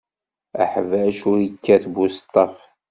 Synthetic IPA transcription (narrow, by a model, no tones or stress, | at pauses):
ə̰ħvəʃʊɾəkːæθbust̪ˤːɑf